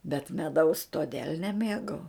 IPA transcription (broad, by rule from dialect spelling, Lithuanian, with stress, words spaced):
bʲɛt mʲɛˈdɐʊs toːˈdʲeːlʲ nʲɛˈmʲeːɡɐʊ